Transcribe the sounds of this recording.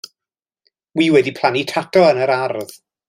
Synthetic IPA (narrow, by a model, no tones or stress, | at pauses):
wiːwɛdipʰl̥ˠanitʰatʰɔənəɾarð